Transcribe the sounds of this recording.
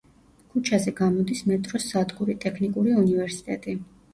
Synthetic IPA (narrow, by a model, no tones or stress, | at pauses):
kʰut͡ʃʰazɛɡamɔd̪ismɛt̪ʼɾɔsːad̪ɡuɾit̪ʼɛkʰnikʼuɾiunivɛɾsi̥t̪ʼɛt̪ʼi